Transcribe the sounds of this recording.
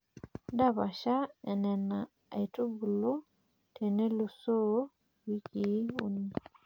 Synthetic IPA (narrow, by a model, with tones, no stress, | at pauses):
da˦˨βa˨ʃa˦ɛ˨nɛ˨na˨ | e˨tu˦bu˨lu˦ | tʰɛ˨ne˦lu˨so˦ | wi˦ki˨˦u˦ni˦